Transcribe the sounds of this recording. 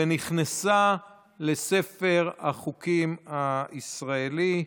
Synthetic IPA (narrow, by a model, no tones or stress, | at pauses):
eniχnasa | le̞se̞feʁaχukimaisʁaeli